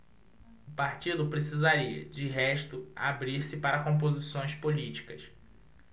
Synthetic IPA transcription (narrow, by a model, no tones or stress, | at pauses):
ʊpaɾt͡ʃid̪ʊpɾes̬izaɾiɐ̰d͡ʒɪɦɛʃt̪ʊa̰bɾiɾsɪpaɾɐkõmp̬ozisõj̃spolit͡ʃi̥kɐs